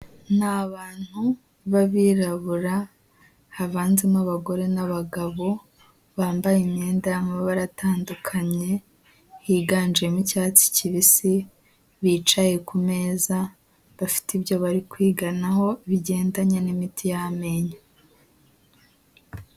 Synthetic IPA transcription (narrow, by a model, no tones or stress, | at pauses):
n̥aβaːn̥hu | βaβiɾaβuɾa | haβaːnzimaβaɡo̞ɾe̞naβaɡaβo̞ | βaːmbajimɲe̞ːndajamaββaɾatʰaːndukʰaɲe̞ | hiɡaːnd͡ʒiemucaːt͡si̥ciβisi | βiːt͡ʃaje̞kume̞ːza | βafi̥tibjo̞βaɾikwiːɡanaho̞iβiɟe̞ːndaɲenimitʰijame̞ɲa